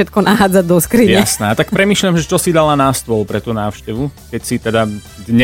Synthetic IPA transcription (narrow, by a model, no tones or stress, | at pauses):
ɛt̪̚kɔnʔaɦaːd͡zaɟd̪ɔskɾijɲɛsnɛat̪akppɾɛmiːʃʎʲjamʒɛt͡ʃɔsid̪alanast̪ʊɔlpɾɛt̪uːnaːʊʃcɛʋukɛcsit̪ɛd̪a | d̪ɲɛ